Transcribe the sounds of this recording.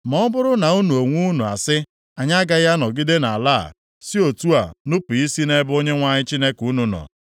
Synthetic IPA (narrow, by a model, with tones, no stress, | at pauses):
mɔ˦bʊ˦ɾʊ˦na˨u˦nu˨o˨ŋʷu˦nu˨a̰˨sɪ˦ | a˨ɲa˦ɡa˦ja˦nɔ˨ɡɪ˦de˦na˨a˨la̰ː˦˨ | si˦o˨tu˦a̰˨nʊ˦pi˨i˦si˦ne˦bo˦ɲe˦ŋʷa˨ɲɪ˦t͡ʃi˦ne˦ku˨˦nu˨nɔ̰˨